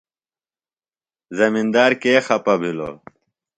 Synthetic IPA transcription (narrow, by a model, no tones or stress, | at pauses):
zɐmind̪aːɾkeːxɐpɐbʱilo̰ː